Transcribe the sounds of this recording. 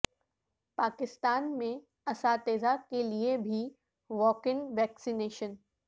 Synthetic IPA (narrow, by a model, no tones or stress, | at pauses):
paːkɪst̪aːnmẽ | ɐsaːt̪eːzakeliebʱi | ʋɔːkɪ̃ŋʋɛːksineːʃən